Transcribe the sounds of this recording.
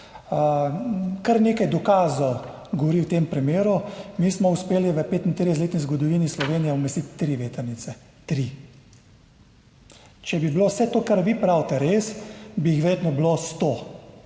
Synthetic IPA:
kaɾneːkajd̪ɔkaːzɔw | ɡɔʋɔɾiwt̪eːmpɾimeːɾumiːsmɔuspeːliʋəpeːt̪int̪ɾiɛz̬leːt̪nizɡɔd̪ɔʋiːnislɔʋeːnijɛɔmɛst̪it̪ːɾiʋeːt̪əɾnit̪sɛ | t̪ɾi | t͡ʃɛbiblowsɛt̪oːkaɾʋipɾawt̪ɛɾeːsbijixʋɛɾjeːt̪nɔblost̪o

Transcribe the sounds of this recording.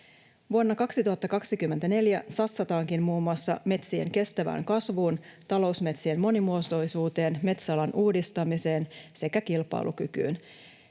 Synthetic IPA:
ʋuonːɑkɑksit̪uɦɑt̪ːɑkɑksikymːent̪æne̞ljæsɑt̪sɑt̪ɑːŋkimmuːmːuɑsːɑ̰me̞t̪siḛŋke̞st̪æʋæ̰ːŋkɑsʋuːnt̪ɑlo̞usme̞t̪sie̞mːo̞nimuost̪ojsuːt̪e̞ːnme̞t̪sɑlɑnuːdist̪ɑmise̞ːnse̞kækilpˑɑ̰ilʔukyky̰ːn

